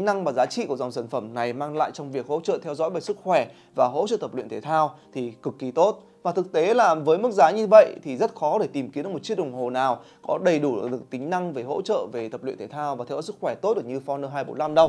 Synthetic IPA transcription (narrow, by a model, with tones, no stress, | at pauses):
ŋna˧ŋmaː˨˩zaː˨˦t͡ɕḭ˧˨ku˧˩zɔ˨˩ŋ͡msaː˧˩nfə˧˩mna˨˩jmaː˧ŋla̰ː˧˨jt͡ɕɔ˧wŋ͡mvi˨˩ək̚ho̰˧˥t͡ɕə̰ː˧˨t̪ʰɛ˧wzɔ̰˧˥jvə˧˩sɨ˦˥t̚xwɛ˧˩ | vaː˨˩ɦo̰˧˥t͡ɕə̰˧˨t̪ə˨˩plwḭ˧˨nt̪ʰe˧˩t̪ʰaː˧wt̪ʰi˨˩kɨ˨˩kːi˨˦t̪o˦˥t̚ | vaː˨˩t̪ɨ˨˩k̚t̪e˨˦laː˨˩vəː˨˦jmɨ˦˥k̚zaː˨˦ɲɨ˧və̰˧˨jt̪ʰi˨˩zə˦˥t̚xɔ˨˦ɗe˧˩t̪i˨˩mki˨˦nɨ˧˨˥mo˨˩tt͡ɕi˦˥ɗə˨˩ŋ͡mho˨˩naː˨˩w | kɔ˨˦ɗə˨˩jɗu˧˩˨ɗɨ˨˩ə˩k̚t̪ï˨˦ŋ̟na˧ŋve˨˩ɦo̰˧˥t͡ɕə̰ː˧˨ve˨˩t̪ʰə˨˩p̚lḭ˧˨t̪ʰe˧˩t̪ʰaː˧wvaː˨˩ɛ˧zɔ̰˧˦˥sɨ˦˥kxwɛ˧˩t̪o˦˥t̚ɗ̚ɲɨ˧fɔ˨˧nəː˧ɦaː˧jɓo̰˨˦nla˧mɗə˧wŋ͡m